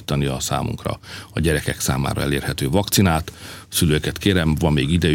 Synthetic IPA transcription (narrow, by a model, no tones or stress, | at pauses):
t̪ːɒniɒsa̰ːmṵŋkrɒ̰ɒɟɛɾɛkɛksa̰ːma̰ːɾɒ̰ɛ̰leːrhɛt̪øːvɒkt̪sinaːt̪syløːkɛt̪kʰeːɾɛmvɒmːeːɡid̪ɛ